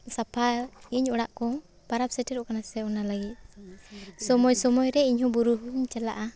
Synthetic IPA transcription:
sapʰaiɲɔɽaʔkɔ | paɾap̚sɛʈɛɾɔkanasɛɔnalaɡit̪̚ | sɔmɔjsɔmɔjɾɛiɲɦɔ̃buɾuɦuɲt͡ʃɛla̰ʔa

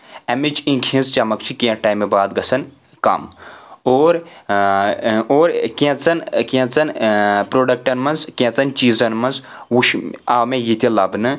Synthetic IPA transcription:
ɐmit͡ʃĩːkʰĩnzt͡ʃɐmɐkt͡ʃʰikiẽʈaːjmebaːd̪ɡɐsɐn | kɐ̰moːɾ | oːɾkʲẽt͡sɐnkʲẽt͡sɐnpɾoːɖɐk̚ʈɐnmɐnzkʲẽt͡sɐnt͡ʃiːzɐnmɐnz | wuʃaːmẽjit̪ʲilɐbnɨ

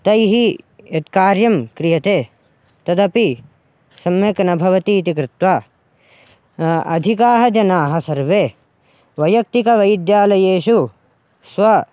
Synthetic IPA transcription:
t̪ɐjɦiet̪kaːɾjɐmkɾijɐt̪eː | t̪ɐd̪ɐpi | sɐmjɐknɐbʱɐʋɐt̪iːt̪ik̬ɾɪt̪waː | ɐ̰d̪ʱikaːɦɐd͡ʒɐnaːɦɐ̆sɐɾʋeː | ʋɐjɐk̚t̪ikɐʋɐjd̪jaːlɐjeːʃu | sʋɐ

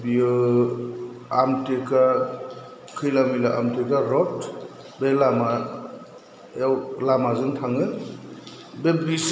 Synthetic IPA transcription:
biɯ | amteka | kʰɯjlamilaʔa̰mtekaɾɔt | belama | awlamazɯŋtʰaŋɯ | bebɾis

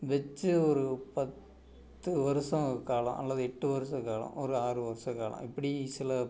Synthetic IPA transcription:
ʋɛt͡ʃːɯɔɾɯpɐt̪ː | ɯʋɐɾɯsɐ̃kaːlɐ̰̃mʔɐ̰lːɐðɯɛʈːɯʋɐɾɯsɐ̃kaːɭɐ̰̃mɔɾɯaːɾɯʋɐɾɯsɐ̃kaːlɐ̰̃mɪpːɐɽisɪlɐ

